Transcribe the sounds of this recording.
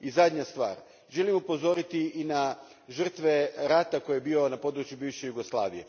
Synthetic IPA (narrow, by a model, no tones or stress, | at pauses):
izad̪ɲast̪ʋa̰ːɾ | ʒelimupo̞zo̞ɾit̪iina | ʒr̩t̪ʋe̞ɾat̪ako̞jjebiːo̞napo̞d̪ɾut͡ʃjubiːʋʃejuɡo̞slˠa̰ːʋijḛ